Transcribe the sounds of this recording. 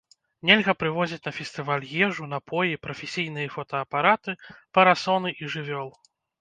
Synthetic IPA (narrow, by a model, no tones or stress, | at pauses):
nʲɛlʲɣɐpɾɨvɔzʲit͡sʲnɐfʲɛsʲt̪ɨvalʲɣʲjɛʐunapʰɔjipɾɐfʲɛsʲijn̪ɨjɐfɔt̪ɐːpaɾat̪ɨpɐɾasɔnɨʔiʐɨvʲɔlˠ